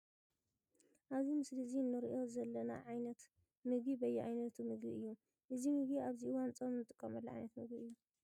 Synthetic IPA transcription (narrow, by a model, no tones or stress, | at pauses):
ʔaβzimɨsliziɨnːɨɾiʔo̞zɐlːɐna̰ʕajnɐt̪ | mɨɡibɐjːɛʕajnɐt̪ʰumɨɡḭɨjːu | ʔɨzimɨɡiaβziɨwant͡sʼomnɨt̪ʼɨkʼːɐmɐlːɐʕa̰jnɐt̪mɨɡbiɨjːu